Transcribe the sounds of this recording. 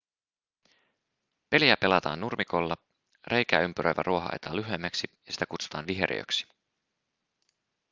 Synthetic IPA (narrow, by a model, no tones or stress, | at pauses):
pe̞liæpe̞lɑt̪ɑ̰ːnːurmʔikolːɑ | rʔe̞jkæ̰ːympyɾʔøjʋæ̰ruo̞ɦɑ̰ʔḛt̪ɑːlyɦemːæksijɑsi̥t̪ækut̪su̥t̪ɑːnʋiɦeɾʔḭø̰ksi̥